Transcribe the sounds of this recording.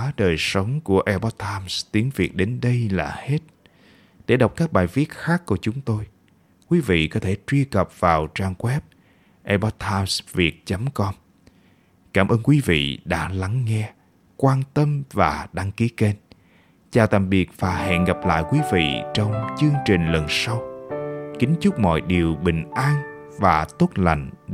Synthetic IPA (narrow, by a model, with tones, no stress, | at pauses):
a˨˦ɗəː˨˩jsə˨˦wŋ͡mku˧˩əʔɛ˧ɓɔ˦˥t̚t̪ʰːaː˧mst̪i˨˦əŋvi˨˩ək̚ɗe˨˦nɗə˧jla̰ː˨˩he˦˥t̚ | ɗe˧˩ɗə˨˩wk͡p̚kaː˦˥k̚ɓaː˨˩jvi˦˥ət̚xaː˦˥kːu˧˩ət͡ɕʊ˨˦ŋ͡mt̪o˧j | kwi˨˦vḭ˧˨kɔ˨˦t̪ʰe˧˩t͡ɕwi˧əkə˨˩p̚vaː˨˩wt͡ɕaː˧ŋkwɛ˦˥p̚ | ʔɛ˧ɓɔ˦˥t̚t̪ʰaː˧msvi˨˩ət̚t͡ɕə˨˦mkɔ˧m | kaː˧˩mʔəː˧nkwi˨˦vḭ˧˨ɗa̰ː˧˥la˨˦ŋːɛ˧ | kwaː˧nt̪ə˧mvaː˨˩ɗa˧ŋki˨˦ke˧n | t͡ɕaː˨˩wt̪a̰ː˨mɓi˨˩ək̚vaː˨˩ɦɛ̰˧˨nɣa˨˩p̚la̰ː˧˨jkwi˨˦vḭ˧˨t͡ɕɔ˧wŋ͡mt͡ɕɨ˧əŋt͡ɕï˨˩ŋ̟lə˨˩nsa˧w | kï˨˦ŋ̟t͡ɕʊ˦˥k͡p̚mɔ̰˧˨jɗi˨˩əwɓï˨˩ŋ̟ʔaː˧n | vaː˨˩t̪o˦˥t̚la̰˧˨jŋ̟